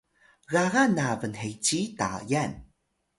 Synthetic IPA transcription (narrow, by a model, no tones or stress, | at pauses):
ɣaɣanavənɦejt͡ɕita̰jan